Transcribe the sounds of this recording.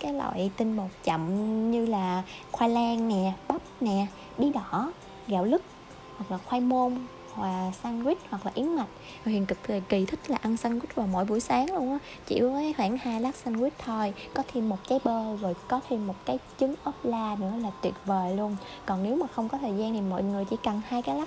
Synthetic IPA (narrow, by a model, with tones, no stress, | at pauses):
kaː˨˦jlɔ̰ː˧˨jt̪ï˧ŋɓo˨˩t̚t͡ɕə̰˧˨mɲɨ˧laː˨˩xwaː˧laː˧ŋnɛ˨˩ɓɔ˦˥p̚nɛ˨˩˨ | ɓi˨˦ɗɔ˧˩ | ɣaː˧˨wlɨ˦˥k̚ | hhwa˨˩k̚laː˨˩xwa˧jmo˧n | hwaː˨˩sa˧nzwi˦˥t̚hwa˨˩k̚laː˨˩ʔi˨˦ənma˨˩jk̚ | vhḭ˧˨ənkɨ˨˩k̚t̪ʰəː˨˩ki˨˩t̪ʰï˦˥k̚laː˨˩ʔa˧nsa˧nwi˦˥t̚vaː˨˩wmo̰˧˨jɓṵ˧˩əjsaː˨˦ŋlu˧ənʔaː˨˦ | t͡ɕḭ˧˩əwvəː˨˦kːxwaː˧˩nhaː˧jla˦˥k̚sa˧nzwi˦˥t̚t̪ʰo˧jkɔ˨˦t̪ʰi˧mːo˨˩t̚kaː˨˦jɓəː˧zo˨˩jkɔ˨˦t̪ʰi˧mːo˨˩t̚kaː˨˦jt͡ɕɨ˨˦ŋʔə˦˥p̚laː˧nɨ̰˧˥əlaː˨˩t̪wi˨˩ət̚vəː˨˩lu˧ən | kɔ˨˩nne˨˦wmaː˨˩xə˧wŋ͡mkɔ˨˦t̪ʰəː˨˩jzaː˧nt̪ʰi˨˩mo̰˧˨jŋɨ˨˩əjt͡ɕḭ˧˩˦kə˨˩nhaː˧jkaː˨˦jlaː˦˥